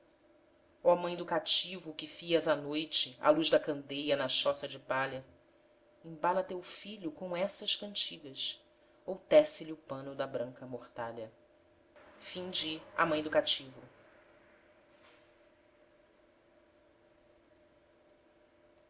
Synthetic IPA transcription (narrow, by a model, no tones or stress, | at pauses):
ɔamɐ̃j̃d̪ʊkat͡ʃivʊkɪfiɐzanojt͡ʃɪa̰luʒd̪ɐkɐ̃nd̪ejɐnɐʃɔsɐd͡ʒɪpaʎɐ | ĩbalɐt̪ewfiʎʊkõw̃ɛsɐʃkɐ̃nt͡ʃiɡɐs | owt̪ɛsɪlɪʊpɐ̃nʊd̪ɐbɾɐ̃ŋkɐmoχt̪aʎɐ | fĩd͡ʒɪa̰mɐ̃j̃d̪ʊkat͡ʃivʊ